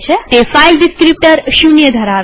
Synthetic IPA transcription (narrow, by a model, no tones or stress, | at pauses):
t͡ʃʰet̪efajlɖiskɾip̚ʈəɾʃunijəd̪ʱɐɾaɾ